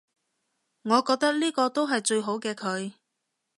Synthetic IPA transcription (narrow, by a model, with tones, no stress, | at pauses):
ŋɔː˨˧kɔː˧k̚t̪ɐ˥k̚liː˥kɔː˧t̪o˥wɦɐ˨jt͡ʃɵ˧ɥɦo˨˥wkɛː˧kʰɵ˨˧ɥ